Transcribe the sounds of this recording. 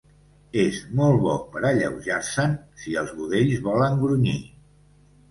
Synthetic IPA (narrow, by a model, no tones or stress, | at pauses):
ezmɔlˠβɔ̰pəɾəʎə̰wʒaɾsənsiəlˠzβuðeʎzβɔləŋɡɾuɲi